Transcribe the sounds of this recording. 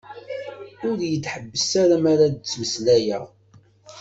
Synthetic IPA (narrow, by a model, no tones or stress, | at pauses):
ʊɾjətːħəbːəsaɾamaɾad̪ət͡sːməslæjæ